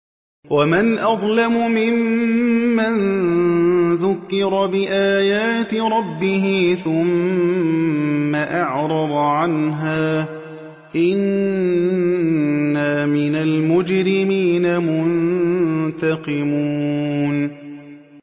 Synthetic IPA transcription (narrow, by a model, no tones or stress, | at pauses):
wamanʔɑðˤlamʊmɪmː | an | ðʊkːɪɾˤɑbɪʔaːjaːt̪ɪɾˤɑbːɪɦɪθʊm | aʔɑʕɾˤɑd̪ˤʕanɦaː | ʔɪn | amɪnalmʊd͡ʒɾɪmiːnamʊn | t̪ɑqɪmuːn